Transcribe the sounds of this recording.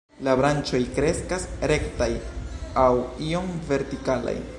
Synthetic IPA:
labɾant͡ʃo̞jkɾe̞skasɾe̞ktajawio̞mve̞ɾtikala̰j

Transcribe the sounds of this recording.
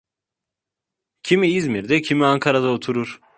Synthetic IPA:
cʰimiizmiɾd̪ɛcʰimiaŋkʰaɾad̪aot̪ʰuɾuɾ̥

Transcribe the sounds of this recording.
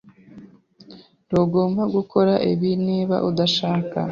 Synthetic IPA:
ɾoɡo̞ːmbaɡukʰo̞ɾaʔiβiniːβa̰ʔud̪aʃaːka̰

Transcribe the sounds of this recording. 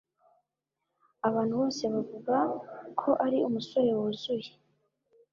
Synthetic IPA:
aβaːn̥huβo̞ːse̞βavuɡakʰo̞ʔaɾiumuso̞ɾe̞wuzuje̥

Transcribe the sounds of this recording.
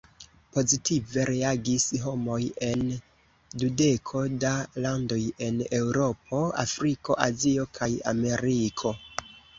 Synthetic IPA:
po̞zitive̞ɾeaɡisɦo̞mo̞je̞n | dude̞kʰo̞dalando̞je̞ne̞wɾo̞p̚ʰo̞a̰fɾiko̞̰ʔazio̞kʰaja̰me̞ɾikʰo̞

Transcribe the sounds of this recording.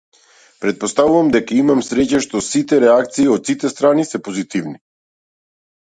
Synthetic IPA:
pɾɛt̪̚post̪avuvamd̪ɛkaimamsɾɛcaʃt̪ɔsit̪ɛɾɛak̚t̪siːɔt̪sit̪ɛst̪ɾanisɛpozit̪ivni

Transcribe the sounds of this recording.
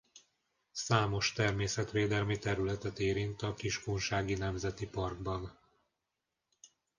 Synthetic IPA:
saːmo̞ʃt̪ɛrmeːsɛt̪ʋeːd̪ɛlmit̪ɛɾylɛt̪ɛt̪eːɾint̪ɒkiʃkonʃaːɡinɛmzɛt̪ipɒrɡbɒn

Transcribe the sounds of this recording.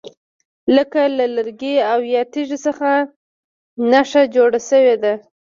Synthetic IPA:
ləkalaləɾɡeawjɑt̪iʒisəxa | naʂad͡ʒoɽasəwed̪a

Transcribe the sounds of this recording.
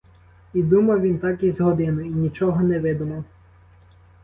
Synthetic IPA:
id̪umɐʋʲint̪ɑkizʲɦɔd̪ɪnʊinʲit͡ʃɔɦɔnɛʋɪd̪ʊmɔ

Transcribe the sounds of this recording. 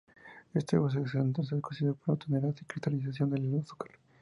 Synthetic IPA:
est̪eβos̬eksent̪ons̬eɾkosiðepoɾat̪oneɾaθikɾist̪aliθaθjond̪eleluθu̥kal

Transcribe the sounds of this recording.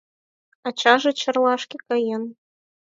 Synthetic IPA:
ɑt͡ɕɑʒĕt͡ɕɤ̆rlɑʃkĕkɑjen

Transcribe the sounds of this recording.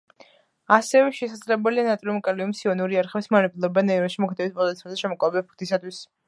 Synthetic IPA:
asɛvɛʃɛsad̪zlɛbɛlianat̪ʼɾimkʼaliumsiɔnuɾiaɾχɛbismanɛpʰulˠɔbanɛiɾɔʃimɔkʰt̪ʰɛbispʼɔd̪at̪sʰɛmazɛʃɛmɔkʼavɛbɛbpʰkʰt̪ʰisat̪ʰwis

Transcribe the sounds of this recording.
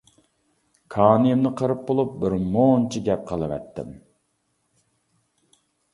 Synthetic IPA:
kʰɑːnɨjɪmnɨqʰəɾɨp̚bolˠup̚bɪɾmont͡ʃʰiɡʲɛp̚qʰəlˠɨvɛ̰t̪ʰːɪ̰m

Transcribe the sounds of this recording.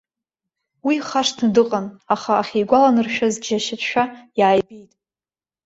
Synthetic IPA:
wiχaʂtʰndɨqʼanaχaːχʲejɡʷalanɨrʃᶣazɡʒaʃatʃᶣajaːjbijtʼ

